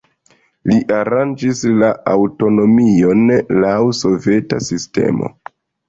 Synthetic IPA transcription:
liʔaɾand͡ʒislaawto̞no̞mio̞nlawso̞ve̞ta̰siste̞̰mo̞̰

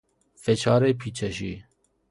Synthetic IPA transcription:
fet͡ʃʰɑːɾeːpʰiːt͡ʃʰɛʃḭː

